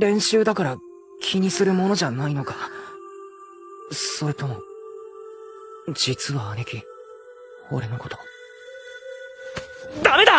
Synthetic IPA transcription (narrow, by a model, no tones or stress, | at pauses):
ɾẽ̞ɰ̃ɕɨːd̪akaɾa | kʲʰiɲ̟isɨɾɯ̟mo̞no̞ʑanaino̞ka | so̞ɾet̪o̞mo̞ | d͡ʑit͡sɨβaːnekʲi | o̞̰ɾe̞no̞ko̞t̪o̞̥ | d̪̥amed̪a